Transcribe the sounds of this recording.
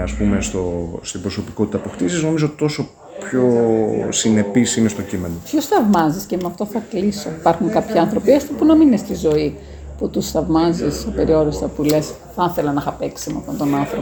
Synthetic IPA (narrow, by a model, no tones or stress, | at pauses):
ɐspumest̪o̞st̪ibɾo̞sopiko̞t̪it̪ɐpoxt̪isizno̞mizoot̪i̥t̪o̞so̞ | pço̞sine̞pisinest̪o̞cime̞no̞pçosθɐvmɐziscemeɐft̪o̞θɐklisoipɐɾxuŋkɐpçiɐnθɾo̞piɐst̪opunɐminest̪izo̞i | put̪usθɐvmɐzisipe̞ɾio̞ɾist̪ɐpule̞s | θɐnθe̞lɐnɐxɐpe̞ksimɐ̰ft̪ont̪o̞nɐnθɾopo